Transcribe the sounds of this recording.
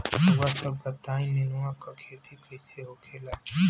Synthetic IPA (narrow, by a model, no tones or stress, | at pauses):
ʋaːsəbbət̪aːĩːnɪnuãːkakʰeːt̪iːpəɪseːɦoːkʰeːla